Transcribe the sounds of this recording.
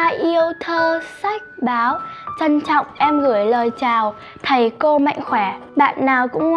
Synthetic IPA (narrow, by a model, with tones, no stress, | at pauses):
a˧ʔi˧əwt̪ʰəː˧sa˦˥jk̚ɓaː˨˦wt͡ɕə˧nt͡ɕɔ̰˧˨wŋ͡mʔɛ˧mɣɨ˧˩əjləː˨˩jt͡ɕaː˨˩w | t̪ʰə˨˦jko˧ma̰˧˨jŋ̟xwɛ˧˩˦ɓa̰ː˧˨nːaː˨˩wkʊ̰˧˥ŋ͡m